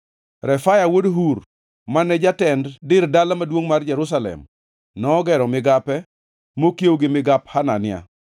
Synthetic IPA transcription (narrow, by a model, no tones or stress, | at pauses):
ɾɛfajawodɦuɾ | manɛd͡ʒatɛnddɪrdalamadwoŋmard͡ʒɛɾʊs̬alɛ̰m | nɔːɡɛɾɔmɪɡapɛ | mokjewɡɪmɪɡaphana̰nɪa̰